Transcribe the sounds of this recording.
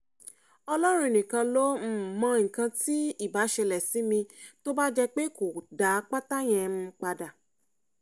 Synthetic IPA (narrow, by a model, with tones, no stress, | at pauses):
ɔ˧lɔ˦ɾ̃ũ˧i˨nĩ˨kã˧lo˦m̩˦˨mɔ̃˨˧˦ŋ̩˨kã˧ti˦i˦˨ba˨˦ʃɛ˧lɛ˨si˨˦mĩ˧to˦ba˦d͡ʒɛ˧k͡pe˦ko˨da˨˦k͡pa˦ta˦j̃ɛ̃˧mũ˧k͡pa˧da˨